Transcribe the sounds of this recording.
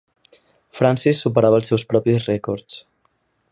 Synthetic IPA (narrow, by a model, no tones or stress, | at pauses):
fɾansisːupəɾaβəːlˠsɛwspɾɔpizrɛkɔɾt͡s